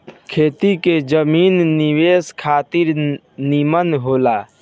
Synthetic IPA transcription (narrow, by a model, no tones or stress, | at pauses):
kʰeːt̪iked͡ʒəmiːnniʋeskʰaːt̪iɾ | nimənɦoːla